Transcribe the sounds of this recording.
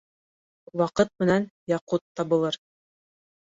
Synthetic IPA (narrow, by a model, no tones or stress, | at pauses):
wɑqɤt̪̚mɘ̆nænjɑqut̪ːɑbɤ̆lˠɤɾ